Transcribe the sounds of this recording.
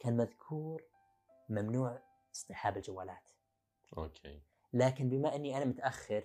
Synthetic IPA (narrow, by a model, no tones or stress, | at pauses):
kaːnmaðkʰuːɾ | mamnuːʕ | ʔɨ̥sˤt̪ˤɨħaːbɪld͡ʒawːaːlaːt̪ | ʔo̰kʰḛ | laːkɪnbɪmaʔɪnːiʔanamʊt̪ʔaxːɪɾ